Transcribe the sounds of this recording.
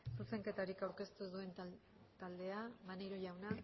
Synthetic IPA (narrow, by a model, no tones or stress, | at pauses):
suse̞ŋke̞t̪aɾikawɾke̞st̪uðue̞n | t̪ald̪e̞amanejɾo̞ʝawna